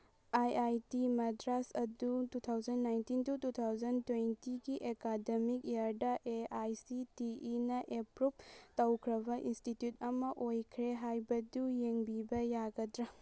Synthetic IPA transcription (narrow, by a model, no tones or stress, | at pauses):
ajajtimɐdɾasɐdutut̪ʰawzɐnːajntintutut̪ʰawd͡ʒɐntwentiɡiʔekademik̚eaɾdɐʔeajsitiʔinɐʔepɾup̚tɐwkʰɾɐbɐʔinstitjut̚ɐmɐʔojkʰɾeɦajbɐdujeŋbibɐjaɡɐdɾɐ